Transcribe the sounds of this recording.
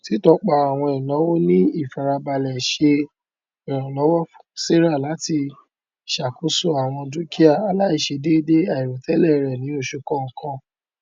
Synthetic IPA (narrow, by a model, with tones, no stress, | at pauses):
ti˦tɔ˧˦k͡pa˧˨a˨w̃ɔ̃˧i˨nɔ̃˨˦wo˦nĩ˦i˦˨fa˨ɾa˧ba˧lɛ˨ʃe˧ | ɛ˨ɾ̃ɔ̃˨lɔ˨˦wɔ˦fse˦ɾa˦˨la˨˦ti˧ | ʃa˨ku˨˦so˦a˨w̃ɔ̃˧du˨˦ki˦a˦˨a˨˦la˦i˨ʃe˧de˦i˦de˦a˦˨i˨ɾo˨tɛ˨˦lɛ˦˨˧ɾɛ˨nĩ˨˦o˦˨ʃu˧kɔ̃˦ŋ̩˨kã˧